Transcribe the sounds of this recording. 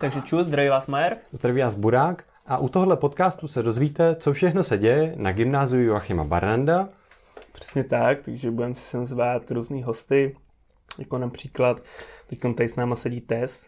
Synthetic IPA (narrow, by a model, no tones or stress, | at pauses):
t̪aɡʒɛt͡ʃuzd̪ɾavivaːsmajɛɾzd̪ɾavivaːsbuɾaːk | ʔaʔut̪oɦodlɛpo̞t̪kaːst̪usɛdo̞zviːt̪ɛt͡so̞fʃɛxno̞sɛɟɛjɛnaɡɪmnaːzɪjujuaxɪma̰ba̰ɾnanda | pr̥ɛ̥sɲɛt̪ak̚t̪aɡʒɛbudɛmsɪ̥sɛmzvaːt̪ɾuːzniːɦo̞st̪ɪ | jakonapr̝̥iːklat̪t̪ɛcko̞nt̪ajɪsnaːmasɛɟiːt̪ɛs